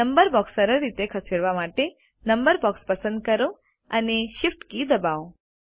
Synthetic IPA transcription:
əmbəɾbɔksːəɾəɾːit̪ekʰəsiɾʋamaʈe | nəmbəɾbɔkspəsənd̪̚kəɾo | əneʃifʈkid̪əbao

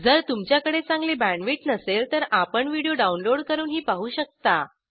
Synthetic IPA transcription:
d͡zəɾt̪umt͡ɕjakəɽet͡sãŋɡlebæɳʋiʈnəselt̪əɾapəɳʋiɽijoɖaunloɽkəɾuːnɦiːpaɦuːɕək̚t̪a

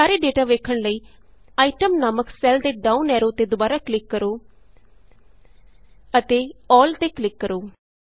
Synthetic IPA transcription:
aːɾeːɖeːʈaːʋeːkʰəɽləiːaːiːʈəmnaːməksɛːld̪eːɖaːuːnɛːɾoːt̪eːd̪ʊbaːɾaːklɪkːəɾoː | ət̪eːɔːlt̪eːklɪkːəɾoː

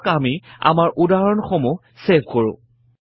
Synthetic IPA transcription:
kamia̰maɹʔudaɹɔnxomu | sebʱkoɹʊ̰̃

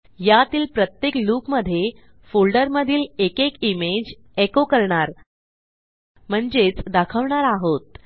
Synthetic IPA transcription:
jat̪iːlpɾət̪jekluːkməd̪ʱːje | fulɖəɾməd̪ʱiːlekekimed͡ʑ | ekokəɾɳaɾ | m̤əɳd͡zet͡sd̪akʰəʋɳaɾaɦot̪̚

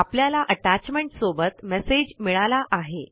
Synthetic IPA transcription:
apljalaʔəʈat͡ɕmeɳʈsobət̪mɛsed͡ʑmiɭalaʔaɦe

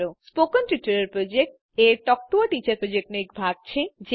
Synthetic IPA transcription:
ɾospokonʈutɐɾeɾpɾod͡ʑek̚ʈ | eɾʈɔk̚ʈoaʈit͡ɕaɾpɾod͡ʑek̚ʈnek̚bʱaɡ̚t͡ɕʰed͡ʑe

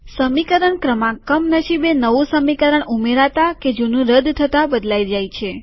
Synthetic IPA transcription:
səmikəɾəɳkɾəmãkəmnəʃibenəʋũsəmikəɾəɳumeɾat̪aked͡ʒunũɾəd̪t̪ʰət̪abəd̪lajd͡ʒajt͡ʃʰe

